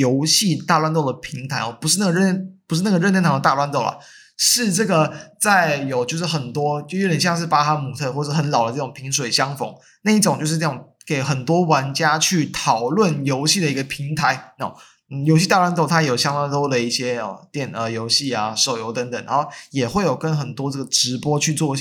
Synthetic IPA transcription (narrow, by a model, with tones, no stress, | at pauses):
jo˧˥ʊɕi˥˧t̪a˥˧lwa˥nt̪o˥˩ʊd̪ə˩pʰi˧˥ŋt̪ʰa˧˥ɪɔ˥˩pu˧˥ʂɻ̩˥˧a˥˩ɡə˧ɻə˥pu˧˥ʂɻ̩˥˧na˥˩ɡə˩ɻnə˥nt̪ʰɑ˧˥ŋd̪ə˧t̪a˥˧lwa˥˧nt̪o˥˩ʊlɐ̰˨˩ | ʂɻ̩˥˧ʈ͡ʂɤ˥˩ɡə˩t͡sa˥˩ɪjo˨˩ʊt͡ɕjo˥˧ʊʂɻ̩˥˩xə˨˩nt̪wɔ˥t͡ɕjo˥˧˥ə˨˩ɕjɑ˥˧ŋʂ̬ɻ̩˥˩pa˥t̪ʰa˥˧mu˨˩t̪ʰɤ˥˧xwɔ˥˩ə˧˩ʂ̩˥˩ə˧˥nlɑ˨˩ʊd̪ə˦ʈ͡ʂɤ˥˩ʊ˨˩ŋpʰi˧˥ŋʂ̬we˨˩ɪɕjɑ˥ŋfo̰˧˥˦ŋ | na˥˧i˥˩ʈ͡ʂʊ˨˩˦ŋt͡ɕjo˥˧ʊʂɻ̩˥˧ʈ͡ʂa˥˩ʊ˨˩ŋ | ke˨˩ɪxə˨˩nt̪wɔ˥wa˧˥nt͡ɕja˥t͡ɕʰy˥˩t̪ʰɑ˨˩ʊlwə˥˩njo˧˥ʊɕi˥d̪ə˩i˧˥ɡə˧pʰi˧˥ŋt̪ʰa˧˥ɪɔ̰˥˨˩ | n̩˥˩jo˧ʊɕ̬i˥˧t̪a˥˧lwa˥nt̪o˥˩ʊt̪ʰa˥jɛ˧˩jo˨˩ɕjɑ˥ŋt̪a˥ŋt̪o˥d̪ə˨i˥˩ɕjɛ˥ɔ̰˧˩t̪jɛ˥˩nə˩jo˧˥ʊɕi˥˩a˨˩ʂo˨˩ʊjo˧˥ʊt̪ə˧˦ŋt̪ə˨˩˦ŋna˧˦xo˥˩jɛ˨˩xwe˥˩ɪjo˨˩ʊkə˦nxə˨˩nt̪wɔ˥ʈ͡ʂɤ˥˩ɡə˩ʈ͡ʂɻ̩˧˥pwɔ˥t͡ɕʰy˥˧t͡swɔ˥˧˩